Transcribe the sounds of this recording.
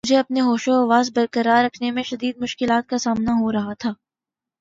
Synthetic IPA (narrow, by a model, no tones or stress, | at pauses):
ʊd͡ʒʱeɐpneɦoːʃoɐʋaːzbɐɾkəɾaɾɐkʰnemẽʃɐd̪iːd̪̚mʊʃkɪlaːt̪̚kasaːmnaɦoɾɐɦat̪ʰaː